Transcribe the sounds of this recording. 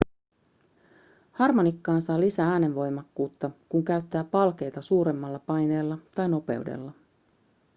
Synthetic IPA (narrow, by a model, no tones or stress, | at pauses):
hɑrmo̞nikːɑːnsɑːlisææːne̞ʋʋo̞jmɑkːuːt̪ːɑkuŋkæɥt̪ːæːpɑlk̟e̞jt̪ɑsuːɾe̞mːɑlːɑpɑjne̞ːlːɑt̪ɑjno̞pe̞̰ude̞̰lːɑ